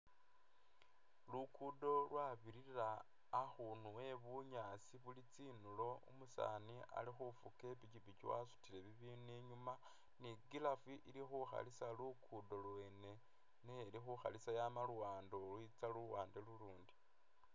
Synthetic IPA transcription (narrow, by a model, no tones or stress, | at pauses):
lukʰudo̞lwaβiɾiraː | xunuwe̞βuɲat͡siβulit͡sinulo̞ṵmusa̰nia̰lixufuke̞picipit͡ʃiwa̰su̥tile̞βiβiːniɲuma | niɡilafiʔiɾixuxa̰lisalukʰudo̞lwe̞ːne̞ | nelixuxa̰lisajamaluwaːndolwit͡saluuwaːndeluluːndi̥